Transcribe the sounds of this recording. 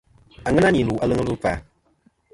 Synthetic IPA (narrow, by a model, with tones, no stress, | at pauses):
a˨ŋɨ˦na˦ni˨lu˨ʔa˦lɨ˦ŋə˦lu˦fa̰˨